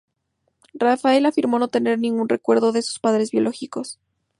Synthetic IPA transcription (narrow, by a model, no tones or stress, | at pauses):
rafae̞lafiɾmo̞no̞t̪e̞ne̞ɾnĩŋɡunre̞kwe̞ɾðo̞ðesu̥spaðɾe̞zβjo̞lʔo̞xiko̞s